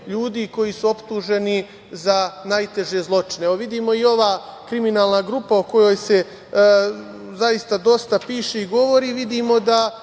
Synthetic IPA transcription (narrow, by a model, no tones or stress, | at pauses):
ʎuːd̪iko̞jisuo̞pt̪uːʒe̞ni | zanajt̪e̞ʒe̞zlˠo̞t͡ʃineʋoʋid̪iːmo̞io̞ʋaːkɾiminaːlˠnaɡɾupaoko̞jo̞jse̞ | zajist̪ad̪o̞st̪apiːʃeiɡo̞ʋo̞ɾiːʋid̪iːmo̞d̪a